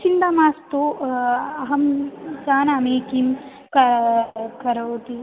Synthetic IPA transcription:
t͡ʃind̪ɐmaːst̪o | ɐɦɐmt͡ʃaːnɐmeːkim | kɐ | kɐɾɐːt̪i

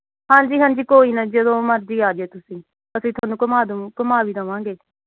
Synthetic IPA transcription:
ɦãːɲd͡ʒiːɦãːɲd͡ʒiːkoːiːnəd͡ʒəd̪õːməɾd͡ʒiːaːd͡ʒeːt̪ʊsĩː | əsĩːt̪ʰʊaːnũːkʊmaːd̪kəmaːʋiːd̪əʋãːŋɡeː

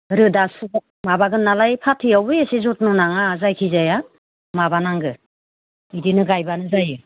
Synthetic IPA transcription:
ɾɯdas | mabaɡɯnalajpʰatʰijawɯjasizut̚nɯnaŋazajkʰizaja | maβanaŋɡɯ | idinɯɡajbanɯzajɯ

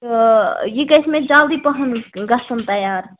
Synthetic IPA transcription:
jikɐsmẽd͡ʒaːld̪ipɐɦɐnɡɐsənt̪ɐjaːɾ

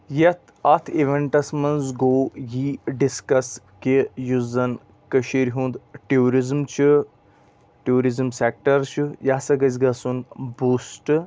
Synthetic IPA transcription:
jɐt̪ʰɐt̪ʰeʋeɳʈɐsmɐnzɡoːjiːɖiskɐs | kejuzɐn | kɐʃiɾɦũnd̪ʈuːɾizmt͡ʃʰɨ | ʈuːɾizmsek̚ʈɐɾt͡ʃʰujasɐɡɐzʲɡɐsunbuːsʈɨ

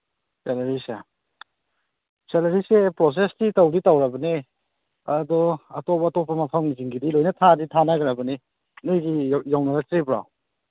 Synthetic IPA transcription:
seleɾisa̰ | seleɾisepɾos̬estitawditawɾɐbɐne | ɐdɔɐtɔpɐːtɔpɐmɐpʰɐmɡiziŋɡidilojnɐtʰaditʰanaɡɐɾɐbɐni | nujɡijawnaɡɐtɾibɾa̰w

